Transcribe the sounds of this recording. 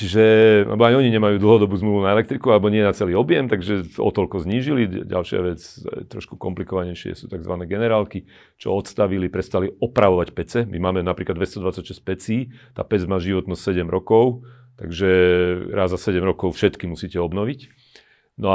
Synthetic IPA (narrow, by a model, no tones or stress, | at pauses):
t͡ʃiʒɛa̰lɛbɔajɔɲiɲɛmajuːd̪l̩ɦɔd̪ɔbuːzmluːʋunaɛlɛkt̪ɾikualɛbɔɲɪɛnat͡sɛliːɔbjɛmt̪aɡʒɛɔ̰t̪ɔʎkɔzɲiːʒiliɟa̰lʃɪa̰ʋɛt͡st̪ɾɔ̰ʃku̥kɔmplikɔʋaɲɛjʃɪɛ̰suːt̪aɡzʋanɛːɡɛnɛɾaːlki | t͡ʃɔ̰ɔt̪st̪aʋilipɾɛst̪aliɔpɾaʋɔʋacpɛt͡sɛmimaːmɛnapɾiːklad̪ʋɛst̪ɔd̪ʋat͡sacʃɛsc̚pɛt͡siːt̪a̰ːpɛd͡zmaːʒiʋɔt̪nɔst̪sɛɟɛmɾɔkɔʊ | t̪aɡʒɛɾaːzːasɛɟɛmɾɔkɔʊfʃɛt̪kimusiːcɛɔbnɔʋic | nɔa